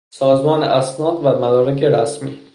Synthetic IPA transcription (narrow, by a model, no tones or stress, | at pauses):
sɒːzmɒːnḛʔæsnɒːd̪væmæd̪ɒːɾækʰeɾæsmḭː